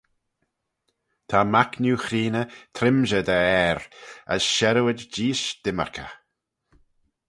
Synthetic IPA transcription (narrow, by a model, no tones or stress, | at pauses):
t̪ʰamaknjuːxɾiːnət̪ʰɾɪmʒəd̪əɛɾə̰sʃɛɾuwədd͡ʒiːʃd̪̥ɪmə̰ɹkʰə̰